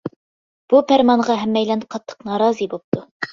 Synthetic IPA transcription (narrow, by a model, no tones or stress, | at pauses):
b̥upæɾmɑɴʁɑɦæmːæjlæɴqɑt̪ːɤ̥qnɑɾɑzibup̚t̪ɤ